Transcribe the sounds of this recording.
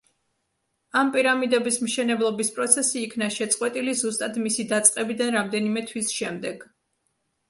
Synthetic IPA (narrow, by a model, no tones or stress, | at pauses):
ampʼiɾamid̪ɛbismʃɛnɛblˠɔbispʼɾɔt̪sʰɛsiːkʰnaʃɛt̪sʼqʼwɛt̪ʼilizust̪ʼad̪misid̪at̪sʼqʼɛbid̪anɾamd̪ɛnimɛt̪ʰwisʃɛmd̪ɛɡ̥